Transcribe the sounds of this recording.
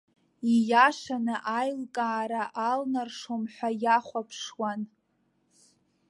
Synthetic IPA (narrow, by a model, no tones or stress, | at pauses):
ijaʃanɨʔajlkʼaːɾaʔalnarʂomħʷᶣajaχʷapʰʂwan